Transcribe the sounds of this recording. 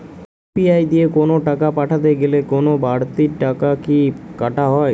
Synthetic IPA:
piajd̪iekonoʈakapaʈʰat̪eɡelekonobaɽt̪iɾʈakakikaʈaɦɔe

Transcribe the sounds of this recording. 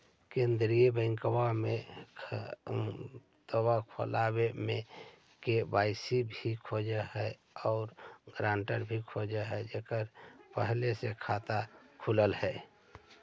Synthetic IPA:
kẽːnd̪ɾijebə̃ŋkwamẽ | t̪əwakʰo̰laːwemẽ | kebaːɪsibʱikʰod͡ʒaɦɛ | ɔːɾɡɾãːɳʈəɾbʱikʰod͡ʒaɦɛd͡ʒeːkəɾpəɦlesekʰaːt̪akʰuləlhɛː

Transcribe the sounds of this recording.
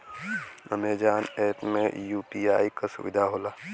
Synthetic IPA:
ɐ̰meːd͡ʒaːnɛːpmẽjuːpiaːikasʊ̰ʋɪd̪ʱaɦoːlaː

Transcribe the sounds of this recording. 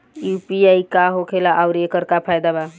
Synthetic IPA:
jupiajkaɦokʰelaʔawɾekəɾkapʰajd̪aba

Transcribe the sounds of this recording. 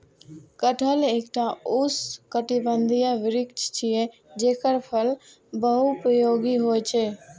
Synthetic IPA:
kəʈʰəleːkʈ̪aʊskəʈibə̃nd̪ʱijaʋɪɾɪkt͡ʃʰt͡ʃʰije | d͡ʒeːkəɾpʰəl | bəɦupɾəjoːɡiɦoːjt͡ʃʰeː

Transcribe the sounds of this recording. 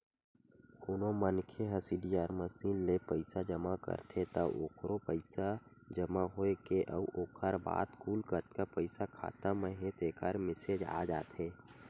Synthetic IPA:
ʊnõmənkʰeɦə̃siɖiaːɾməsiːnlepəɪsad͡ʒəmakə̰ɾt̪ʰet̪əʔo̰ːkʰɾopəɪsa | d͡ʒəmaɦoekeʔəuʔoːkʰəɾba̰ːt̪kuːlkəɾt̪kapəɪsakʰa̰ːt̪amə̃ɦẽt̪eːkaɾmɪsed͡ʒa̰ːd͡ʒa̰ːt̪ʰeː

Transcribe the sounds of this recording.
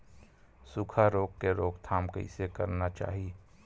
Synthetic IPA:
sʊkʰaɾoːkkeɾoːɡt̪ʰaːmkə̰ɪ̰sekəɾnat͡ʃa̰ːɦie

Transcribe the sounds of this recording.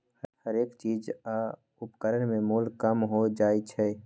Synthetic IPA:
hhəɾeːkt͡ʃid͡ʒa | upkəɾənmẽmulkəmɦod͡ʒaːet͡ʃʰɛ

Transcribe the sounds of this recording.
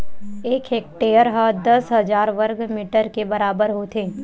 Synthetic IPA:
eːkɦeːk̚ʈeːjəɾɦad̪ɐsɦɐd͡ʒaːɾʋɐɾɡmiʈəɾkebɐɾaːbəɾɦot̪ʰeː

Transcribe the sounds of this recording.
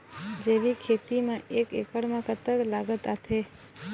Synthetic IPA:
d͡ʒeʋikʰet̪imãʔekḛkəɽmãkət̪əklaɡət̪at̪ʰe

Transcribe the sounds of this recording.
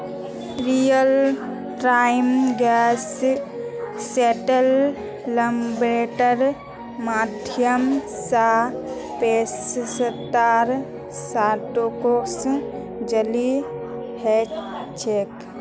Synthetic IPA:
ɾijəl | ʈɾajmɡɛs | eʈəlː | əmbɾeʈəɾ | mːad̪ʱjəmsapessət̪ːaɾ | saʈokos | d͡ʒəli | heɛt͡ʃʰek

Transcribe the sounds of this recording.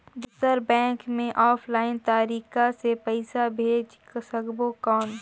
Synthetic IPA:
b̪ʊsəɾbɛ̃ːŋkmẽʔɔːpʰlaːɪnt̪aːɾiːkasepɐɪsabʱeːd͡ʒ | səɡbokɔːn

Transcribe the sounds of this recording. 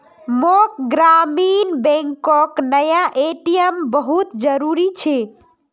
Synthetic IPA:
mokɡɾaminbẽŋkoknəjaʔeʈijəmbəɦut̪d͡ʒəɾuɾit͡ʃʰe

